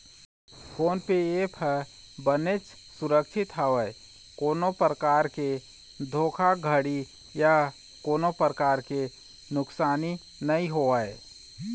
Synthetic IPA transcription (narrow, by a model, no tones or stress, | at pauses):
fʰoːnpeepʰəɾ | bənet͡ʃ | sʊɾəkʃʰɪt̪ɦəʋə | koːnopɾəkaːɾke | d̪ʱoːkʰaɡʱəɽi | ja | koːnopɾəkaːɾke | nʊksaːni | nəĩɦoəe